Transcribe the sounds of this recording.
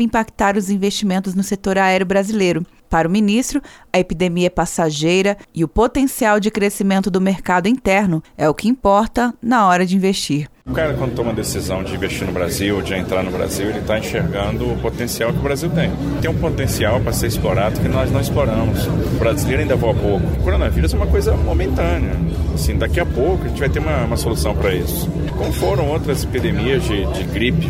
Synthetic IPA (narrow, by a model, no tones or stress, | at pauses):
vɪĩpakt̪aɾʊzĩvesʃt͡ʃimẽnt̪ʊznʊset̪oɾaɛɾjʊbɾazilejɾʊ | paɾʊminist̪ɾʊɐepid̪emiɐɛpasaʒejɾɐɪʊpot̪ẽsiawd͡ʒɪkɾesimẽnt̪ʊd̪ʊmeɾkad̪ʊĩt̪ɛɾnʊɛʊkɪĩpɔɾt̪ɐnɐɔɾɐd͡ʒɪĩvest͡ʃiɾʊkaɾɐkwɐ̃d̪ʊt̪õũmɐd̪esizɐ̃w̃d͡ʒɪĩvest͡ʃiɾnʊbɾaziwod͡ʒɪẽnt̪ɾaɾnʊbɾa̰ziwelɪt̪aĩʃeɾɡɐ̃nd̪ʊːpot̪ẽsiawkɪʊbɾaziwt̪ẽj̃ | t̪ẽj̃ũpot̪ẽsiawpɾɐseɾisploɾad̪ʊkɪnɔznɐ̃w̃isploɾɐ̃mʊsʊbɾazilejɾɐaĩnd̪ɐvoapowkʊʊkoɾonɐviɾʊzɛũmɐkojzɐmomẽnt̪ɐ̃nɪɐasĩd̪akiɐpowkʊɐʒẽt͡ʃɪvɛjt̪eɾũmɐũmɐsolusɐ̃w̃pɾɐisʊ̥s | kõmʊfoɾɐ̃w̃owt̪ɾɐzepid̪emiɐzd͡ʒɪd͡ʒɪɡɾipɪ